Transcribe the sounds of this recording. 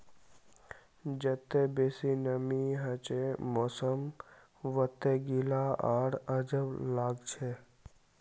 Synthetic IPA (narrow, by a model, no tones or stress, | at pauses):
d͡ʒət̪ːebeːsinəmiɦət͡ʃemɔːsəm | ʋət̪ːeɡilaaːɽəd͡ʒəʋlaːɡt͡ʃʰe